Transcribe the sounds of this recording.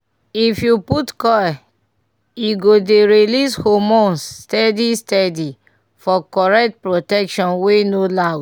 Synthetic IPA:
ifjuputkɔ | jiɡodeɾilishomɔ̃nstɛdistɛdi | fɔkɔɹɛk̚t̚pɹotɛkʃɔ̃nwenolaw

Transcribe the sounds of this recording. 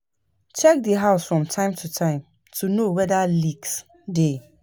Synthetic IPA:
t͡ʃɛk̚diɦaʊsfɹɔ̃mtʰãɪ̃mtʰutʰãɪ̃m | tʰunowɛdaliks | de

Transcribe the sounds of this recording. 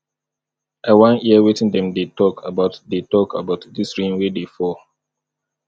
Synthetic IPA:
awãniəwitĩndɛ̃mdetɔkʰabaʊtdetɔkʰabaʊtdisɹĩnwedefɔ

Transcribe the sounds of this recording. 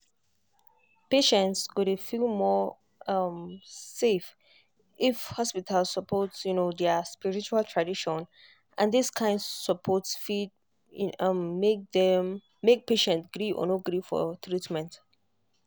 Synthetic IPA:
peʃɛ̃ntskudefilˠmɔ | ʌmsef | ifhɔspitʰalssəpʰɔtsjunodɛspiɹit͡ʃualˠtʰɹadiʃɔ̃n | ʔãndiskʰãɪ̃ndsɔpʰɔtsfid | ʌmːek̚ðɛm | mek̚peʃɛ̃ntɡ̥ɹiʔɔ̰noɡɹifɔ̰t̪ɹitmɛ̃nt

